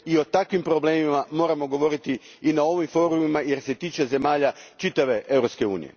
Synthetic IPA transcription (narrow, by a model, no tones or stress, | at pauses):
io̞t̪akʋimpɾo̞ble̞ːmimamo̞ːɾamo̞ɡo̞ʋo̞ɾit̪i | inao̞ʋimfo̞ːɾumimaje̞ɾse̞t̪iːt͡ʃe̞ze̞maːʎat͡ʃit̪aʋe̞ʔe̞wɾopske̞ṵːnḭje̞̰